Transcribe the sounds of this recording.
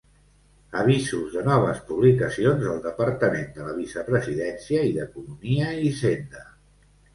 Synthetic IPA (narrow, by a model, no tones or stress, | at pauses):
əβ̞izuzðənɔβ̞əspuβlikəsionzəlˠd̪əpəɾt̪əmend̪ələβisəpɾəziðɛnsiəiðəkunumiəizend̪ə